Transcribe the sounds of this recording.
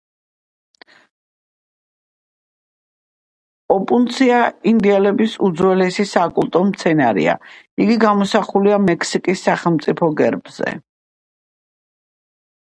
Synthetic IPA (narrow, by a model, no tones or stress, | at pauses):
ɔpʼunt̪sʰiaind̪iɛlɛbisud̪zwɛlɛsisaːkʼulˠt̪ʼɔmt̪sʰɛnaɾḭa̰ | iɡiɡamɔsaχuliamɛkʰsikʼisːaχɛlˠmt̪sʼipʰɔɡɛɾbz̥ɛ̰